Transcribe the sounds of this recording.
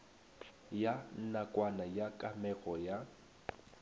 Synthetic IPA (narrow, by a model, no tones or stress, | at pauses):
jan̩nakʼwanajakʼamɛɣɔja